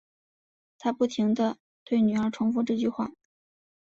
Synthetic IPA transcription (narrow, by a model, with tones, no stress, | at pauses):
t̪ʰa˥pu˥˩t̪ʰi˧˥ŋd̪ə˧ | t̪we˥˩ɪny˨˩ə˞˧˥ʈ͡ʂʰʊ˧˥ŋfu˥˧ʈ͡ʂɤ˥˧t͡ɕy˥˧xwa˥˩